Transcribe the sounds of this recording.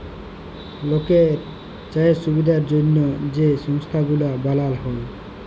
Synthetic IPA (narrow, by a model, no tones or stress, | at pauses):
lokeɾ | t͡ɕaeʃubid̪ʱaɾd͡ʑonːod͡ʑeʃɔŋst̪ʰaɡulabalalɦol